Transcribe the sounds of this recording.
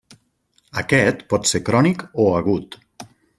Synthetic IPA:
əkɛt̪pɔt̪seɾkɾɔnikoaɣ̞ut̪

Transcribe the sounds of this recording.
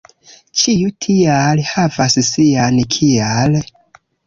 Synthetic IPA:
t͡ʃijutʰialhavassiankʰial

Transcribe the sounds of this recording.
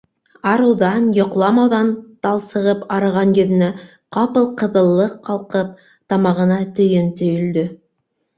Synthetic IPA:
ɑɾɤ̆wðɑnjŏqlˠɑmɑwðɑnt̪ɑlˠsɤ̆ʁɤpɑɾɤ̆ʁɑnjɵ̆ðɘ̆næ | qɑpɤlˠqɤ̆ðɤ̆lˠːɤqʰːɑlˠqɤp̚ | t̪ɑmɑʁɤ̆nɑt̪ɵ̆jɵnt̪ɵ̆jɵ̆ld̪ɵ

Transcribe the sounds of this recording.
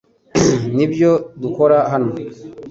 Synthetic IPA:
nibjo̞duko̞ɾaɦano̞

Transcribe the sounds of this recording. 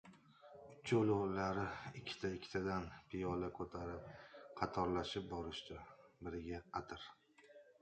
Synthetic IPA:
ʊt͡ʃʰːaʊlˠʊlaɾɪɪkʲʰːɪ̥t̪ʰaɪkʲʰːɪ̥t̪ʰad̪anpʰɪjɒlakʰɵt̪ʰaɾɪp̚qʰɑt̪ʰɒɾlaʃɪp̚bɒɾɪʃt̪abɪɾɪɡʲaqat̪ʰɪɾ

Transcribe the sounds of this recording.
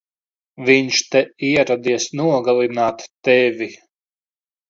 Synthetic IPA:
viɲʃt̪ɛiɛɾad̪iɛsnuɔɡalˠinaːt̪ːɛvʲi

